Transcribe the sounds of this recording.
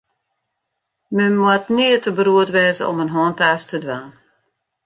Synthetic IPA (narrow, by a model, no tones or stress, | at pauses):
məmwatniətəbəɾuətʋɛːzəɔ̰mənɦɔːntaːstədʋan